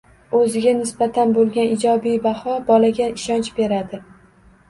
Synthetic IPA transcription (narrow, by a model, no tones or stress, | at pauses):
ɵzɪɡʲanɪsb̥at̪ʰanbolˠɡʲanɪd͡ʒɒbijbahɒbɒlaɡʲaɪʃɒnt͡ʃbe̞ɾad̪ɪ